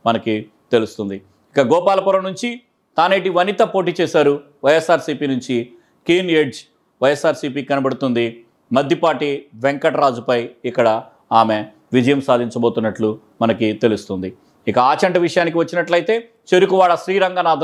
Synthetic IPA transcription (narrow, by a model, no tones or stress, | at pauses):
mɐnɐki | t̪e̞lust̪und̪i | ikɐɡɔːpaːlɐpuɾɐmnuɲt͡ʃi | t̪aːneːʈiʋɐnit̪ɐpo̞ːʈ̬iːt͡ʃɛːsaːɾu | ʋɐjesːaːɾsiːpiːnuɲt͡ʃi | kiːneɖd͡ʒ | ʋɐjesaːɾsiːpiːkɐnɐbɐɽut̪und̪i | mɐd̪ʱjipaːʈiʋeŋkɐʈɐɾaːd͡ʒupɐjikːɐɽɐ | aːme | ʋid͡ʒɐjɐmsaːd̪ʱiɲt͡ʃɐbo̞ːt̪unːɐʈlu | mɐnɐkit̪e̞lust̪und̪i | ikɐaːt͡ʃɐɳʈɐʋiʂɐjaːnik̬iʋɐt͡ʃːinɐʈlɐjt̪e̞ː | t͡ʃeɾukuʋaːɭɐʃɾiːɾɐŋɡaːnaːd̪ʱ